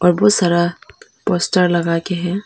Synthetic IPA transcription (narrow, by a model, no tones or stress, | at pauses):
ɔːɾbosaɾapoːsʈəɾlɐɡakeɦɛ̃